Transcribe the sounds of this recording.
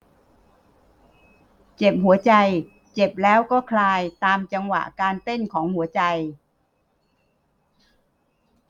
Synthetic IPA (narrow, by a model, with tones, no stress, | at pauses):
t͡ɕe˨˩p̚ɦu˩˦ɐt͡ɕa˧j | t͡ɕe˨˩p̚lɛː˦˥wkɔː˥˩kʰlaː˧jt̪aː˧mt͡ɕa˧ŋwa̰˨˩ʔkaː˧nt̪e˥˩nkʰɔː˩˦ŋhu˩˦ɐt͡ɕa˧j